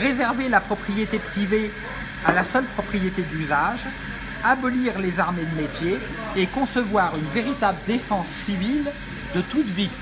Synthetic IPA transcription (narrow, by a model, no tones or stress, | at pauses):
ʁezɛʁvelapχɔpχijet̪epχive | alasœlpχɔpχijet̪ed̪yzaʒ | abɔliʁlezaʁmed̪əmet̪jeː | kɔ̃səvwaʁynveʁit̪abləd̪efɑ̃sːivil | d̪ət̪ut̪vi